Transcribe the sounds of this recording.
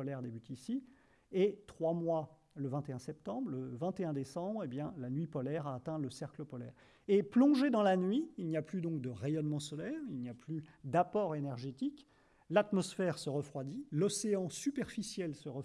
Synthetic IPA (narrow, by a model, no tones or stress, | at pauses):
ɔlɛʁd̪ebyt̪isi | et̪χwamwa | ləvɛ̃t̪eɛ̃sɛp̚t̪ɑ̃bʁləvɛ̃t̪eɛ̃d̪esɑ̃bʁebjɛ̃lanɥipɔlɛʁaːt̪ɛ̃ləsɛʁkləpɔlɛ̰ːʁ | eplɔ̃ʒed̪ɑ̃lanɥiːlnijaplyd̪ɔ̃k̚d̪əʁejɔnmɑ̃sɔlɛʁilnijaplyd̪apɔʁenɛʁʒet̪ik | lat̪mɔsfɛʁsəʁəfχwad̪ilɔseɑ̃sypɛʁfisjɛlsəʁə